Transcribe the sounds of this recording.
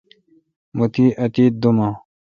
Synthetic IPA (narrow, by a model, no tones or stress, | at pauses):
mut̪iːʔɐt̪iːt̪̚d̪umã